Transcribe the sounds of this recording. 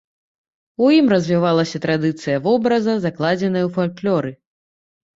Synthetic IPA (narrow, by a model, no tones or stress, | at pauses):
ujimrɐzʲvʲivalˠɐsʲɐt̪ɾad̪ɨt̪sɨjɐvɔbɾɐzɐzaklˠad͡zʲɛnɐjɐwfalʲklʲɔɾɨ